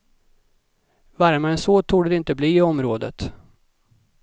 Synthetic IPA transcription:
vaɾmaɛnsoːt̪ʰuːɖɛd̪ɛɪnt̪əbliːɪɔmɾoːd̪ə̰t̪

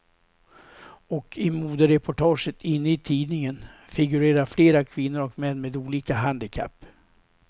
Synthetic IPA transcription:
ɔkʰɪmuːd̪əɾɛpʰʊʈʰɑːʂət̪ʰɪnːəɪt̪ʰiːd̪nɪŋənfɪɡɵɾeːɾaɾfleːɾakʰvɪnːʊɾɔkmɛnːmeːd̪uːliːkaɦand̪ɪkʰa̰pː

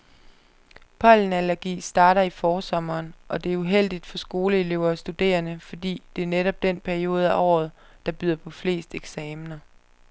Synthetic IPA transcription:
pʰɒ̽ln̩ælæɐɡ̥ḭːsd̥ɑ̈ːɾɐifɒːsɒ̽mɐːnʔɒ̽d̥e̝æɐuɦel̰d̥id̥fɒ̽sɡ̥o̝ːləe̝le̝ʊ̰ɐːsd̥ud̥e̝̰ːɐnəfɒ̽d̥ḭːd̥e̝æɐneɾ̥ɒ̽b̥̚d̥enpʰæɐio̝ːð̞̩ˠæʔɒ̰ːð̞̩ˠ | d̥ɑ̈b̥yð̞ˠɐpʰɒ̽fle̝̰ːsd̥eɡ̥sɛːmnɐ

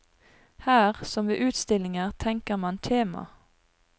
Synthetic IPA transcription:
hæːʁsɔmʋḛːʔʉːt̪st̪ɪlɪŋəʁt̪ʰɛŋkəʁmɑnt̪ʰeːmɑ̰

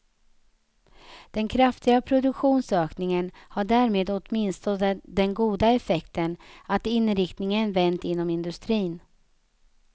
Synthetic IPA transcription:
d̪̥ɛnkʰɾaft̪ɪɡapʰɾʊd̪ɵkɧuːnsøːknɪŋənhaɖæːɾmeːd̪ot̪mɪnst̪ɔd̪ɛnɡuːd̪aɛfɛkt̪ənat̪ɪnːɾɪkt̪nɪŋənvɛnt̪ɪnːɔmɪnd̪ɵst̪ɾiːn

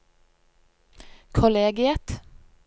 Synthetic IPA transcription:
kʰɔleːɡɪɛt̪

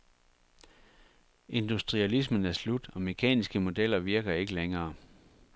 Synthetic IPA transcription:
e̝nd̥usd̥ʁiælis̬mənæɐslud̥ɒ̽me̝kʰɛ̰ːnisɡ̥əmo̝d̥el̰ɐʋiɐɡ̥ɐe̝ɡ̥əleŋɐː

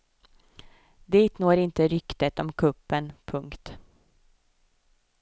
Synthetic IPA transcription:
d̪iːt̪noːɾɪnt̪əɾʏkt̪ət̪ɔmkʰɵpːənpʰɵŋkt̪

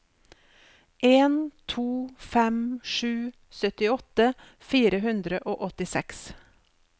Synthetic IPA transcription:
ʔeːnt̪ʰuːfɛmʂʉː | sœt̪ɪɔt̪ə | fiːɾəɦʉnd̪ɾəʔoːʔɔt̪ɪsɛks

